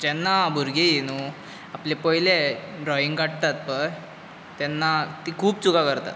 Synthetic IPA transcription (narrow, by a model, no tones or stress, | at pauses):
d͡ʑɛnːabʱuɾɡejenu | aplepəɦileɖɾɔiŋɡkaʈ̚t̪at̪̚pəɾ | t̪ɛnːat̪iːkʰuːp̚t͡sukakəɾt̪a̰t̪